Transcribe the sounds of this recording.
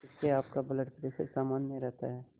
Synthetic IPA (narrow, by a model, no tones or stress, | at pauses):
ɪskeaːpkabɐləʈpɾeːʃə̰ɾsaːmaːnmeɾɛɦt̪a̰ɦɛː